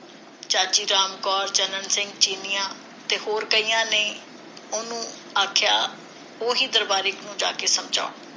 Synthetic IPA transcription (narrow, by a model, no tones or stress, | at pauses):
t͡ʃaːt͡ʃiːɾaːmkɔːɾd͡ʒənənsɪ̃ŋɡt͡ʃiːnɪjãː | t̪eːhoːɾkəiːjãːneː | ʊnũː | aːkʰjaː | oːɦiːd̪əɾbaːɾɪknũːd͡ʒa̰ːkeːsəmd͡ʒa̰ː